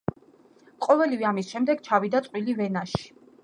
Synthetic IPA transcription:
qʼɔvɛlivɛamisʃɛmd̪ɛɡ̥t͡ʃʰavid̪at̪sʼqʼwilivɛnaʃi̥

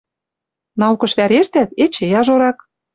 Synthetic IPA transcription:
nɑukɤ̆ʃβæɾeʃt̪æt̪et͡ɕejɑʒoɾɑk

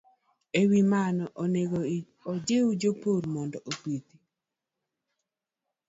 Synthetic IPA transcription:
ewimanɔʔoneɡo | od͡ʒeud͡ʒopoɾmɔndɔʔopit̪i̥

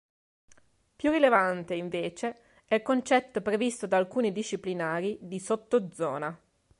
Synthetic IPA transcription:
pjurilevant̪eiɱveːt͡ʃe | ɛilkont͡ʃɛt̪ːopɾevist̪od̪aːlkuːnid̪iʃːiplinaːɾid̪isot̪ːod̪zɔːna

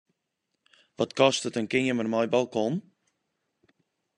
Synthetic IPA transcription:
ʋɔtkɔstətənkɪɲəmərmɔjbalˠkɔn

